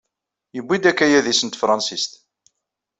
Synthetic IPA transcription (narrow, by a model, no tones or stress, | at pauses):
jəbːid̪ækːæjæðisənt̪fɾˤɑnsist̪